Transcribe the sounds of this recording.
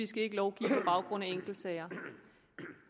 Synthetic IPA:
isɡ̥æe̝ɡ̥əlɒʊɡ̥ḭːpʰɒ̽b̥ɑ̈ʊɡ̥ʁɔ̽n̰æeŋ̰ɡ̥l̩̥sɛɪɐ

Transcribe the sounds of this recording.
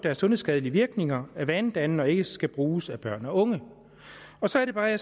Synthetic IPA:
d̥æɐsɔ̽nðˠsɡ̥ɛð̞ˠəliəʋiɐɡ̥ne̝ŋɐæʋænd̥æn̩ɒ̽e̝ɡ̥əsɡ̥æb̥ʁuːsæb̥ɶɐ̰nɒɔ̽ŋə | ɒ̽sɒ̽æɐɾ̥e̝bɑ̈ːæs

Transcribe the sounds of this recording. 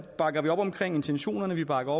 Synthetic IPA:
b̥ɑ̈ɡ̥ɐʋiɒ̽b̥ɒ̽mkʰʁɛŋ̰e̝nt͡sʰenɕo̝̰ːnɐnəʋib̥ɑ̈ɡ̥ɐɒ

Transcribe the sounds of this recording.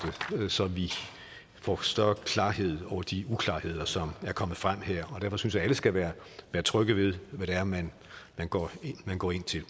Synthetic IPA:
d̥əsɒ̽ʋi | fɒ̰ːsd̥ɶɐkʰlɑ̈ːɦe̝ð̞̰ˠɒʊɐd̥iukʰlɑ̈ːhe̝ð̞̰ˠɐsɒ̽mæɐkʰɒ̽m̰əð̩ˠfʁam̰heɐ̰ɒ̽d̥æɐfɒ̽synsjɑ̈æləsɡ̥æʋæːɐ | ʋæːɐt͡sʰʁœɡ̥əʋe̝ðˠʋæɾ̥æɐmæn | mænɡ̥ɒ̰ːemænɡ̥ɒ̰ːe̝n̰t͡sʰe̝l

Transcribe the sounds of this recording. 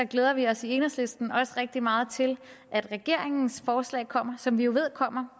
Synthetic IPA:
dɑɡ̥leːð̞ˠɐʋiɒ̽sieːnɐsle̝sd̥n̩ɒ̽sʁɛɡ̥̚d̥imɑ̈ːð̞̩ˠt͡sʰe̝lʔæd̥ʁɛɡ̥e̝ɐ̰eŋn̩sfɒːslɛ̰ːɪkʰɒ̽m̰ɐsɒ̽mʋijo̝ʋe̝ð̞̰ˠkʰɒ̽m̰ɐ

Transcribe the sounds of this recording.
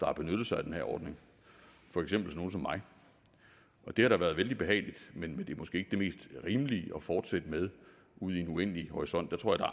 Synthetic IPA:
d̥ɑ̈hɑ̈b̥e̝nød̥ð̩ˠsɑ̈ɪæd̥enhæɐɒ̰ːd̥ne̝ŋ | fɒ̽eɡ̥sem̰b̥l̩sɒno̝ːn̩sɒ̽mːɑ̈ɪ | ʔɒ̽d̥e̝hɑɾ̥ɑ̈ʋæːɐð̞ˠʋeld̥ib̥e̝ɦɛ̰ːɪlid̥menmend̥e̝æmɒsɡ̥e̝ːeɡ̥əd̥e̝me̝̰ːsd̥ʁiːmliʔɒ̽fɒːd̥sed̥með̞ˠ | uð̞̰ˠienuen̰lihɒʁisɒ̽n̰d̥ɑ̈t͡sʰʁo̰ɑd̥ɑ

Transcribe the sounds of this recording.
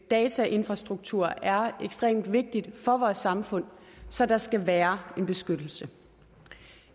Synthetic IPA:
d̥ɛːt͡sʰæʔe̝nfʁɑ̈sd̥ʁuɡ̥̚t͡sʰuɐ̰æɐeɡ̥sd̥ʁḛːmd̥ʋe̝ɡ̥̚d̥id̥fɒ̽ʋɒːsɑ̈mfɔ̽n̰sɒ̽d̥ɑ̈sɡ̥æʋæːɐe̝nb̥e̝sɡ̥ød̥l̩sə

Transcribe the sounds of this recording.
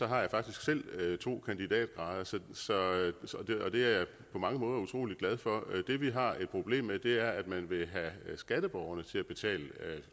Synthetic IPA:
sɒ̽ɦɑ̈jɑ̈fɑ̈ɡ̥d̥isɡ̥sel̰t͡sʰo̝̰ːkʰænd̥id̥ɛ̰ːd̥̚ʁɑ̈ːð̞ˠɐsɒ̽sɒ̽ɒ̽d̥eɒ̽d̥e̝æɐja | pʰɒ̽mɑ̈ŋəmɔ̽ːðˠɐut͡sʰʁo̝̰ːliɡ̥læð̞ˠfɒ̽d̥e̝ʋiɦɑ̈e̝d̥̚pʰʁo̝b̥le̝̰ːmːed̥e̝æɐæd̥mænʋe̝ɦæsɡ̥æd̥əb̥ɒʊɐnət͡sʰe̝læb̥e̝t͡sʰɛ̰ːlə

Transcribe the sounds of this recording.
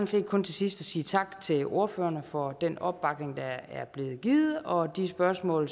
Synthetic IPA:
n̩se̝̰ːd̥̚kʰɔ̽nt͡sʰe̝sisd̥æsiːt͡sʰɑ̈ɡ̥t͡sʰe̝lo̝ɐføːɐnəfɒ̽d̥enɒ̽b̥b̥ɑ̈ɡ̥ne̝ŋd̥ɑæɐb̥le̝ːð̩ˠɡ̥iːð̩ˠɒ̽d̥isb̥ɶɐsmɔ̰̽ːl

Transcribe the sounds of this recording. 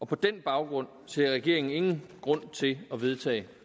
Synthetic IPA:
ɒ̽pʰɒ̽d̥enb̥ɑ̈ʊɡ̥ʁɔ̽n̰se̝ɐʁɛɡ̥e̝ɐ̰eŋn̩e̝ŋn̩ɡ̥ʁɔ̽n̰t͡sʰe̝ɒʋe̝ð̞ˠt͡sʰɛ̰ːɪ

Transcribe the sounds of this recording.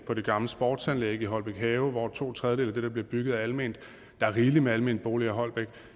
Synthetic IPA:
pʰɒ̽ɾe̝ɡ̥ɑ̈mləsb̥ɒ̰ːd̥sænleːɡ̥əiɦɒ̽l̰b̥eɡ̥ɦɛːʊʋɒ̥t͡sʰo̝̰ːt͡sʰʁɛðˠə̥eeld̥e̝d̥ɑb̥le̝ɐb̥yɡ̥ð̩ˠæælme̝ːnd̥ | d̥ɑ̈æɐʁiːlimeælme̝̰nd̥̚b̥o̝ːliæɦɒ̽l̰b̥eɡ̥

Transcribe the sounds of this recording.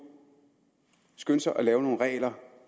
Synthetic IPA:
sɡ̥øn̰sɐʔælɛːʊno̝ːn̩ʁɛ̰ːlɐ

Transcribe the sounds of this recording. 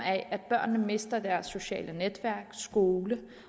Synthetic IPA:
æʔæd̥̚b̥ɶɐ̰nːəme̝sd̥ɐd̥æɐsːo̝ɕɛ̰ːlʔəned̥ʋæɐ̰ɡ̥sɡ̥o̝ːlə

